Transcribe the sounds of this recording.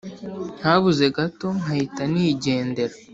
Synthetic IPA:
n̥haβuze̞ɡato̞nhahitaniɟe̞ːnde̞ɾa

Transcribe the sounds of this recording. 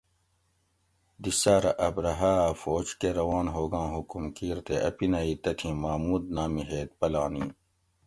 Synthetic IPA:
d̪isaːɾɐʔɐbɾɐɦaːfoːd͡ʑkeɾɐwɑːnɦoːɡɑ̃ːɦukumkiːɾt̪eʔɐ̰pinɐit̪ɐt̪ʰĩmaːmuːd̪naːmiɦeːt̪̚pɐlaːniː

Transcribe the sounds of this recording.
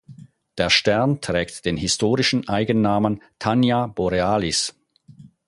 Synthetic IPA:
d̥eːɐʃtɛɐntʁ̥ɛːktd̥eːnhɪstoːʁɪʃn̩ʔaɪɡənːaːməntʰanjab̥ɔʁeaːlɪs

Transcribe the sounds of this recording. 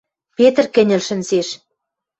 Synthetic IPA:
pet̪rkɘ̆nʲɘ̆lʃɘ̆nseʃ

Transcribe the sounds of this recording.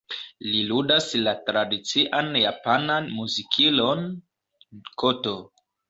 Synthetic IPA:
liludaslatɾadit͡siʔanjapananmuzikʰilo̞n | koto̞

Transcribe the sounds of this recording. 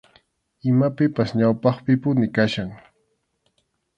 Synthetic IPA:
ɪmapɪpasɲawpɑχpɪpʊnɪkaʃaŋ

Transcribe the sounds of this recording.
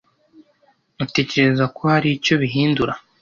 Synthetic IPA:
ute̞ːce̞ɾe̞zako̞haɾico̞βiɦiːnduɾa

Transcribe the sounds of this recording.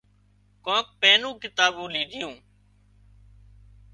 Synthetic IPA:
kõːk̚peːnũːkɪt̪aːɓũːliːd̪ʱɪjũː

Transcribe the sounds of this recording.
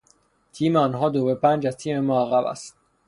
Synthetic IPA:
t̪ʰiːmeɒːnɦɒːd̪ovepʰæːnd͡ʒæzt̪ʰiːmemɒːæɣæbæ̰st̪̚

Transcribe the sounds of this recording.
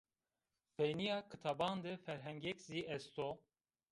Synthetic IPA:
fejnijɑːkʰɨt̪ʰɑbɑːnd̪ɨfɛɾɦɛŋɡɛkziːʔɛst̪oː

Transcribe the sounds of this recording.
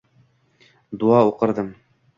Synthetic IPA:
d̪uɑuqɤ̆ɾd̪ɤm

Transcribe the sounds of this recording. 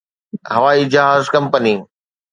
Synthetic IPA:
ɦɐʋaːid͡ʑɪɦaːzkɐ̃mpəni

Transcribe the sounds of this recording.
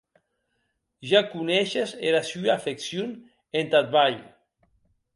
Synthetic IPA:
ʒakunɛʃezeɾasyafeksjon | ent̪at̪̚βaʎ

